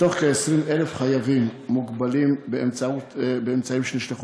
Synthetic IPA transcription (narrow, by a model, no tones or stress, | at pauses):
toχkeesɾimelefχajavimːuɡbalimbeemt͡sautbeemt͡saimʃeniʃleχu